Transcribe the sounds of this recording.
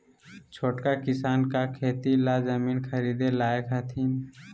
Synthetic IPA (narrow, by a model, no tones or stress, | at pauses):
t͡ʃʰoːʈkakɪsaːnkakʰeːt̪ilazəmiːnkʰəɾiːd̪elaːekʰat̪ʰiːn